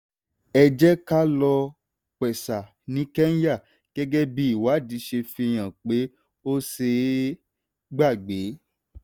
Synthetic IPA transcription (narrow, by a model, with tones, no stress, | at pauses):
ɛ˧d͡ʒɛ˦ka˦lɔ˧ | k͡pɛ˨sa˨ | nĩ˨˦kɛ˦n˦ja˦˨ | ɡ̥ɛ˦ɡɛ˦bi˦i˦˨wa˨˦˨di˨˦ʃe˧fĩ˧e˧j̃ã˨k͡pe˨˦ | o˦se˧ | ɡ͡ba˦˨ɡ͡be˨˦